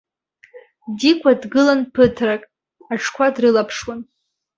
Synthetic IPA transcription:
dikʷʰʼadɡɨlanpʰɨtʰrakʼ | aʈ͡ʂʰkʷʰadrɨlapʰʂwan

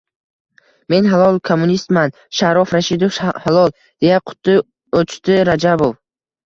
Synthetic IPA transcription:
me̞nɦalˠɒlˠkʰomːunist̪man | ʃaɾɒfɾaʃid̪ofhalˠɒlˠ | d̪̥e̞jaqʰʊ̥t̪ʰːɪ | ot͡ʃt̪ɪɾad͡ʒabov

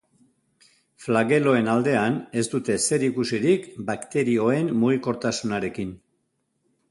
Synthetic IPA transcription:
flaɣe̞lo̞e̞nald̪e̞ane̞st̪ut̪e̞se̞ɾikusiɾikbakt̪e̞ɾio̞e̞mmuɣ̞iko̞ɾt̪asunaɾe̞kin

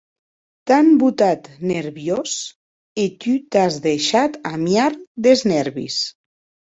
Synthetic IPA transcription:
t̪ambut̪at̪neɾβjos | et̪yt̪azðeʃat̪amjaɾd̪eznɛɾβḭs

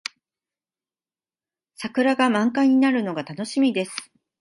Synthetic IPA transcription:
sakɯ̟ɾaɡamãŋkaɲ̟inaɾɯ̟no̞ɡat̪ano̞ɕimʲid̪e̞sɨ̥

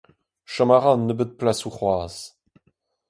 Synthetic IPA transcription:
ʃamaʁɑnːəbət̪̚plasuχwaːz

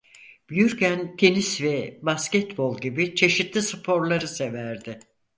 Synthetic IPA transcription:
b̥jyɾcænt̪ʰenisvɛbascɛt̪bo̞lˠɟibit͡ʃʰe̞ʃit̪lʲisɯpʰo̞ɾlˠaɾɯsevæɾd̪ɪ

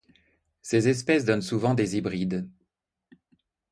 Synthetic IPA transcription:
sezɛs̬pɛsd̪ɔnsuvɑ̃d̪ezibʁid̪

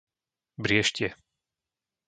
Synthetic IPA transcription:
bɾɪɛʃcɪɛ

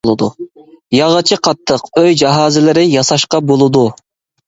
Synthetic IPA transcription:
lˠɨd̪ṵjɑʁət͡ʃʰɪqʰɑt̪ʰːəqøjd͡ʒɑɦɑːzɪlɪɾɪjɑsɑʃqɑbolˠɨd̪u

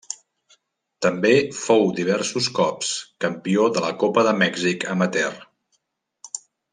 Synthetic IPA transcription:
t̪əmbefowd̪iβ̞ɛrsuskɔpskəmpioðələkopəðəmɛɡzikəmət̪ɛr

